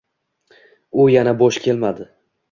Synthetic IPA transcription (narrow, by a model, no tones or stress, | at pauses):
ʊjanaboʃkʲʰe̞lmad̪ɪ